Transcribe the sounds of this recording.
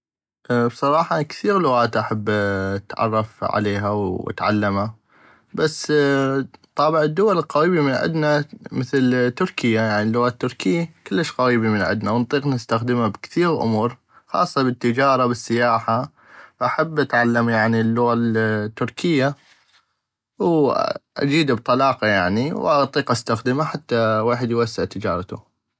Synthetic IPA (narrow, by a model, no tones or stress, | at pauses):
ʔbsˤɑɾˤɑːħɑkθiːɣlʊɣaːt̪ʔaħabːt̪ʕɑ̰rˤːɑfʕa̰leːɦawa̰t̪ʕa̰lːama | basː | t̪ˤɑːbɪʕɪd̪ːʊwalɪlqaɾiːbimɪnʕɪ̰d̪namɪθlt̪ːʊɾkɪjːajaʕnilːʊɣaːt̪ːʊɾkɪjːkɪlːəʃqaɾiːbimɪnʕɪ̰d̪nawnt̪ˤiːqnɪst̪axd̪əmabkθiːɣʔʊ̰muːɾ | xɑ̰ːsˤːɑbɪt̪ːɪd͡ʒɑːɾˤɑbɪsːɪjaːħa | ʔaħabːʔat̪ʕalːamjaʕnilːʊɣat̪ːʊɾkʰɪjːa | wʔa̰d͡ʒiːd̪bt̪ˤɑlɑːqɑjaʕniwʔat̪ˤːiːqʔast̪axd̪ɪmaħat̪ːaweːħɪd̪jwasːɪʕt̪ɪd͡ʒɑ̰ːɾˤɑt̪ṵ